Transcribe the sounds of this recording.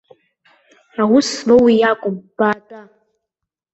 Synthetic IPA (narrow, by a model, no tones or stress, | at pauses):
awuslowijakʷʼʊmb̥aːdʼa